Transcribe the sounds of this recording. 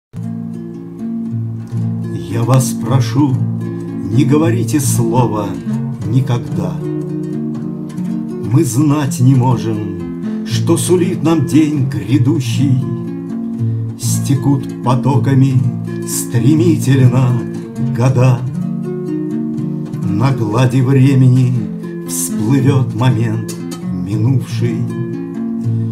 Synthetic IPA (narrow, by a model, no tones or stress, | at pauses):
javaspɾɐʂu | nʲɪɡəvɐɾʲitʲɪslˠovənʲɪkɐɡd̪a | mɨznatʲnʲɪmo̞ʐɨm | ʂt̪osʊlʲit̪namdʲenʲɡɾʲɪd̪uɕːɪj | sʲtʲɪkut̪pɐt̪okəmʲɪ | st̪ɾʲɪmʲitʲɪlʲnə | ɡɐd̪a | nɐɡlˠadʲɪvɾʲemʲɪnʲɪ | fsplˠɨvʲo̞t̪mɐmʲent̪ | mʲɪnufʂɨj